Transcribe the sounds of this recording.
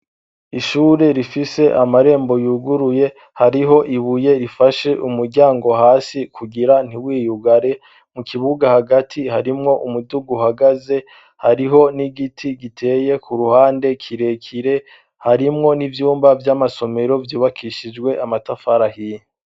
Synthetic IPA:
iʃuːɾe̞ɾifise̞ʔamaɾe̞ːmbo̞juɡuɾuje̞ | haɾiɦo̞ʔiβuje̞ɾifaʃe̞ʔumuɾɟaːŋɡo̞ɦaːsikʰuɡiɾan̥iwiːjuɡaɾe̞ | mukʰiβuɡahaɡatʰihaɾimŋo̞ʔumuduɡuhaɡaze̞ | haɾiɦo̞niɡitʰiɡitʰe̞ːje̞kʰuɾuhaːnde̞kʰiɾe̞kʰiɾe̞ | haɾimŋo̞nivjuːmbavjaːmaso̞me̞ɾo̞vjuːβakʰiʃid͡ʒɡwe̞ʔamatafaɾahiːɲe

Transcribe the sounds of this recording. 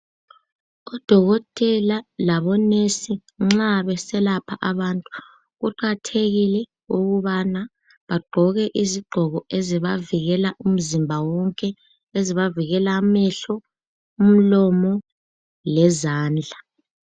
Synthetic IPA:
ɔd̥ʱɔɣɔtʼɛlalaβɔnesiŋ͡ǁaβɛsɛlapʰaʔaβantʼu̥ | ɣuǃatʰeɣilɛ | uɣuβana | βaɡ͡ǃʱɔɣɛʔiziɡ͡ǃʱɔɣɔeziβaviɣɛlaʔum̩zimbʱawɔŋkʼɛ | eziβaviɣɛlamɛɬɔ | um̩lɔmɔ | lɛzaːnd͡ɮʱa

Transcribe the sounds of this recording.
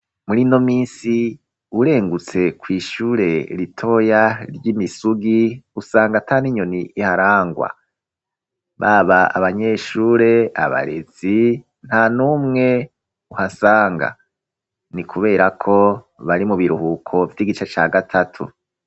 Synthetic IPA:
muɾino̞miːnsi | uɾe̞ːŋɡut͡se̞kwiːʃuːɾe̞ɾitʰo̞jaɾjimisuɡiusaːŋɡatʰaːniɲoniʔːhaɾaːŋɡwa̰ | βaβaa̰βaɲe̞ːʃuːɾe̞a̰βa̰ɾez̥i | n̥hanuːmŋe̞ | uhasaːŋɡa̰ | nikʰuβe̞ːɾakʰo̞ | βaɾimuβiɾuhukʰo̞vjiɡit͡ʃet͡ʃaːɡatʰatʰṵ

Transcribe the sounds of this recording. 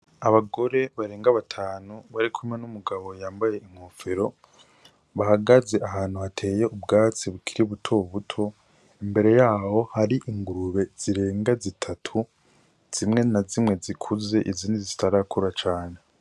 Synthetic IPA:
aβaɡo̞ɾe̞βaɾe̞ːŋɡaβatʰaːnuβaɾikʰumŋe̞numuɡaβo̞jaːmbaje̞iŋhofeɾo̞ | βahaɡaze̞ʔahaːn̥huhatʰe̞ːje̞ubɡaːt͡siβukʰiɾiβutʰo̞βutʰo̞ | imbe̞ɾe̞jaːho̞haɾiʔiŋɡuɾuβe̞z̥iɾe̞ːŋɡazitʰatʰu | z̥imŋe̞nazimŋe̞zikʰuze̞ʔiziːndizitaɾakʰuɾat͡ʃaːne̞

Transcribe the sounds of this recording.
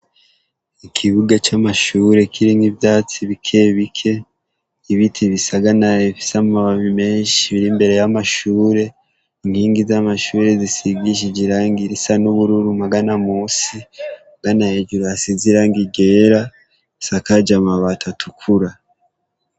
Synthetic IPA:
ikʰiβuɡat͡ʃamaʃuːɾe̞kʰiɾinibjaːt͡siβikʰe̞βikʰe̞ | iβitʰiβisaɡanaefi̥samumaβaβime̞ːnʃiβiɾimbe̞ɾe̞jamaʃuːɾe̞ | iŋhiːŋɡizamaʃuːɾe̞zisiɡiʃ̬id͡ʒiɾaŋɡiɾisanuβuɾuɾumaɡanamuːsi | ɡanajed͡ʒuɾuasiziɾaŋɡiɡeːɾa | sakad͡ʒamaβatʰatʰukʰuɾa

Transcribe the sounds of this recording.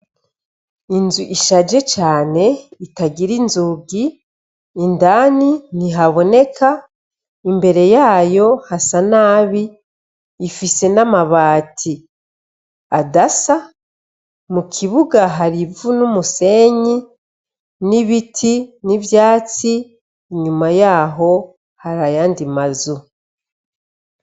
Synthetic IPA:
inzuʔiʃad͡ʒe̞t͡ʃaːne̞itaɡiɾinzuːɡiː | ndaːniniɦaβo̞ne̞kʰa | imbe̞ɾe̞jaːjo̞hasanaːβiː | fise̞namaβaːtʰi | adasa | mukʰiβuɡaɦaɾivunumuse̞ɲi | niβitʰinivjaːt͡siː | ɲumajaːɦo̞ | haɾajaːndimazu

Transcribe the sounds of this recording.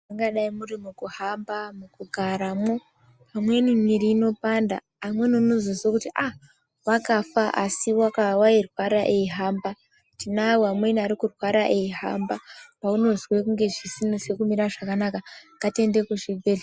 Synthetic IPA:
aŋɡaɗaimurimukuhambamukuɡʱaɾamo̞ | pamwe̞nimiɾiːno̞panda̰ːmwe̞niunozozwakutiʔa | wakafaʔasiwakawairwaɾaʔeiɦaːmba | tinawamwe̞niaɾikurwaɾaʔeiɦa̰mbapauno̞zwekuŋɡe̞ʐisinosekumiɾaʐakanakaŋɡate̞nde̞kuʐibʱeli

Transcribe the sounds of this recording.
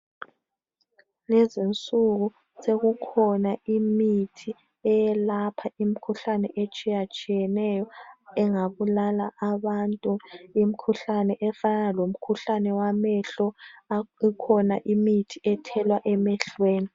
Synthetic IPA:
lɛzint͡sʼuɣu | seɣukʰɔnaimitʰi | ɛjɛlapʰaim̩kʰuɬanɛʔet͡ʃʼijat͡ʃʼijɛnɛjɔɛŋaβulalaʔaβantʼuim̩kʰuɬanɛʔɛfanalom̩kʰuɬanɛwamɛɬɔ | ikʰɔnaʔimitʰiɛtʰɛlwaʔɛmɛɬweːni

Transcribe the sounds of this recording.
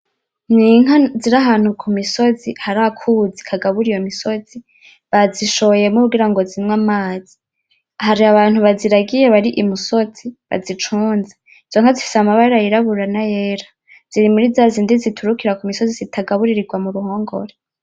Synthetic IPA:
niŋaziɾaɦaːn̥hukʰumiso̞zihaɾakʰud͡zi̥kʰaɡaβuɾijo̞miso̞z̥i | βaziʃoβoje̞muɾuɡiɾaŋɡo̞zimŋamaːzi | haɾiaβaːn̥huβaziɾaɡije̞βaɾiʔimusoz̥iβa̰zit͡ʃuːnze | iz̥oŋ̥azifi̥samaβaɾeɾajiɾaβuɾanajeːɾa | z̥iɾimuɾizazindizitʰuɾukiɾakumiso̞zizitʰaɡaβuɾiɾiɡwamuɾuho̞ːŋɡo̞̰ɾe

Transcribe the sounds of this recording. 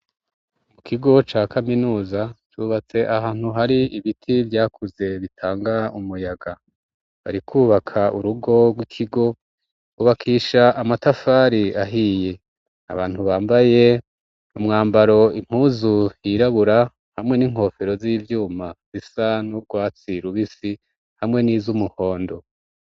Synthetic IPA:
mukʰiɡo̞t͡ʃaːkʰaminuːzat͡ʃuːβat͡se̞ʔaɦaːn̥huɦaɾiiβitʰivjaːkʰuze̞βitʰaːŋɡaumujaɡa | βa̰ɾikʰuːβakʰauɾuɡo̞ɡwikʰiɡo̞ | uβakʰiːʃaʔamatafaːɾiaɦije̞ | a̰βaːn̥huβaːmbaje̞ | umŋaːmbaɾo̞im̥huːzuhiɾaβuɾa | hamŋe̞niŋ̥ho̞fe̞ɾo̞ziːvjuːmaz̥isanub̚ɡwaːt͡siɾuβisi | hamŋe̞niːzumuho̞ːndo̞

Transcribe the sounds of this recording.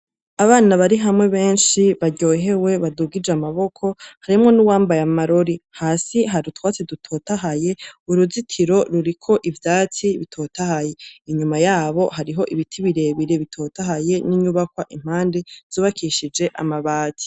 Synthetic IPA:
aβaːnaβaɾiɦamŋe̞βe̞ːnʃiβaɟo̞ːɦe̞we̞βaduɡid͡ʒamaβo̞kʰo̞haɾimŋo̞nuwaːmbajamaɾo̞ɾihaːsiɦaɾutwaːt͡sidutʰo̞ːtaɦaje̞uɾuzitʰiɾo̞ɾuɾikʰo̞ʔivjaːt͡siβitʰo̞ːtahaje̞iɲumajaːβo̞haɾiɦo̞ʔiβitʰiβiɾe̞βiɾe̞βitʰo̞taɦaje̞niɲuβakwaʔim̥aːnde̞z̥uːβakʰiʃid͡ʒe̞ʔa̰maβaːtʰi̥

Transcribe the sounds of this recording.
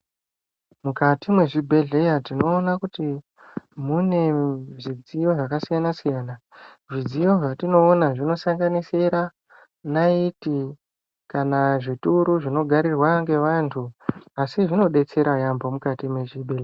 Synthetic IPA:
mukatimwe̞ʐibʱe̞ɮe̞jatino̞ːnakuti | mune̞ʐid͡zijo̞ʐakasijanasijana | ʐid͡zijo̞ʐatino̞ːnaʐino̞saŋɡaniseɾa | naiti | kanaʐituɾuʐino̞ɡʱaɾirwaŋɡe̞ʋantʰuasiʐino̞ɗe̞t͡se̞ɾajambo̞mukatimwe̞ʐibʱele

